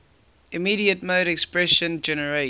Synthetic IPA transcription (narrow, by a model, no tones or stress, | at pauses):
ɪmiːɾiətmoːɾɛkspɹɛʃə̃nd͡ʒɛnəɹe